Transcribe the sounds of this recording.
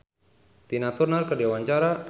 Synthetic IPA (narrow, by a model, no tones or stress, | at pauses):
t̪inat̪urnalkədewaɲt͡ʃaɾa